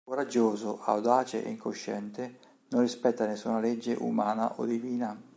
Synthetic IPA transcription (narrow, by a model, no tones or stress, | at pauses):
koɾad͡ʒːoːzoʔa̰wd̪aːt͡ʃḛʔḛiŋkoʃːɛ̰nt̪ɪ | nonrːispɛt̪ːanesːunaled͡ʒːḛʔṵmaːna̰ʔo̰d̪iviːna